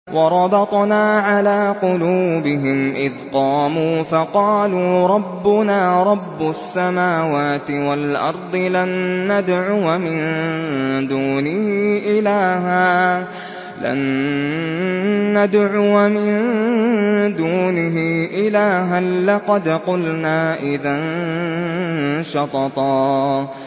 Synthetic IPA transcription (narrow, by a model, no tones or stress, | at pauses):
wʔɑɾˤɑbɑt̪ˤnaːʕalaːqʊluːbɪɦɪmʔɪðqɑːmuːfɑqɑːluːɾˤɑbːʊnaːɾˤɑbːʊasːamaːwaːt̪ɪwalʔɑ̰ɾˤd̪ˤɨlanːad̪ʕʊwamɪn | d̪uːnɪhiːʔɪlaːɦaː | la̰n | ad̪ʕʊwamɪn | d̪uːnɪɦiːʔɪlaːɦanlɑqɑd̪qʊlnaːʔɪðan | ʃɑt̪ɑt̪ˤɑː